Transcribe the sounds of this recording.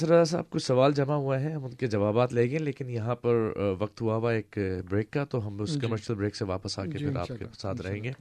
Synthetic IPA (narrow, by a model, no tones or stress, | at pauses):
sɐɾaɛːs̬aa̰ːb̚kʊt͡ʃʰsɐʋaːld͡ʒɐmaɦuaɦɛɦɐmʊnked͡ʒɐʋaːbaːt̪leːɡẽleːkɪnjɐɦãpɐɾʋɐq̚t̪ɦuaɦʋaeːkbɾeːkːat̪oɦɐmʊskɐməɾʃəlbɾeːkseʋaːpəsaːkepʰɪɾa̰ːkḛsaːt̪ɾɐɦẽːŋɡeː